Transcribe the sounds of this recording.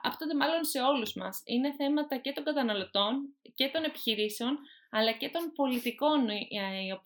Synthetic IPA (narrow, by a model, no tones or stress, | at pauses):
ɐ̰pt̪ond̪e̞mɐlo̞nse̞o̞luzmɐ̰sḭne̞θe̞mɐt̪ɐce̞t̪o̞ŋɡɐt̪ɐnɐlo̞t̪o̞nce̞t̪o̞ne̞pi̥çiɾise̞o̞nɐlɐce̞t̪o̞npo̞lit̪iko̞nop